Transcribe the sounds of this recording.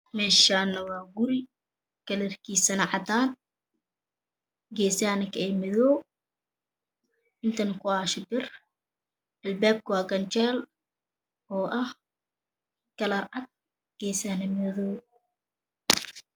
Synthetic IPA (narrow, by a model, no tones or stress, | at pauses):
mɛːʃaːnɐwɑːɡʊɾɪ | kɐlɐrkʰiːsɐnɐʕɑd̪aːn | ɡɛːsaːnɐkʰɐɛmɪðɔːw | ʔɪnt̪ʰɐnɐkʰʊaːʃɪbɪr | ʔɐlbaːb̚kʰʊwɑːɡɐnt͡ʃɛːl | ʔɔːʔɐh | kɐlɐrʕɐɡ̚ | ɡ̥ɛːsaːnɐmɛðɔw